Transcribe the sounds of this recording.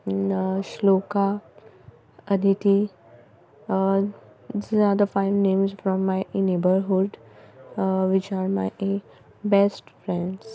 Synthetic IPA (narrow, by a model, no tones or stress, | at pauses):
ʃloːka | əd̪ʱit̪i | aɾd̪əfaɪʋnẽːmzfɾɔ̃mːaɪneːbəɾɦuɖ | ʋɪt͡ʃaːɾmaɪ | bɛsʈfɾɛ̃ɳɖs